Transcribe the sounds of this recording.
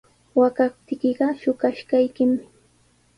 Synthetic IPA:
wakap̚t̪ɪkɪɢɑʃʊkaʃkajkɪmɪ

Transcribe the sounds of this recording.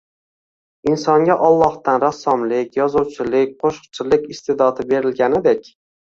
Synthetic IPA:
ɪnsɒŋɡʲaʔɒlˠːɒht̪anɾasːɒmlɪkʲjɒzʊwt͡ʃʰɪlɪk̚ʲqʰoʃq̚t͡ʃʰɪlɪkʲɪst̪ʰed̪ɒd̪ɪbe̞ɾɪlɡʲanɪd̪ekʲ

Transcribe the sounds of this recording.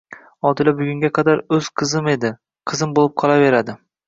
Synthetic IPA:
ɒd̪ɪlabʊɡʲʊŋʲaqʰɑd̪aɾɵz̥qʰɨzɪme̞d̪ɪ | qʰɨzɪmbolɪp̚qʰɒlˠave̞ɾad̪ɪ

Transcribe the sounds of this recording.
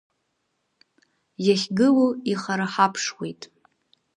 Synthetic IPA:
jaχʲɡɨluiχaɾaħapʰʂwejtʼ

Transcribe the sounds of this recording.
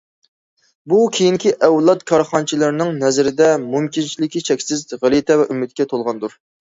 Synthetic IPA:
bukʲʰejiŋkʲiʔɛwlˠɑt̪kʰɑɾχɑnt͡ʃʰilˠɪɾnɪŋnɛzɾɪd̪ɛmumkʲint͡ʃʰilɪkʲit͡ʃʰɛkʲsɪzʁælˠit̪ʰɛvɛʔymːɪt̪̚kʲɛt̪ʰolˠʁɑnd̪uɾ

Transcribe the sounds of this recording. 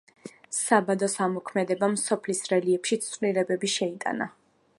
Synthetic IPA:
sabad̪ɔsamɔkʰmɛd̪ɛbamsɔpʰlisɾɛliɛpʃit̪sʼvliɾɛbɛbiʃɛit̪ʼa̰na̰

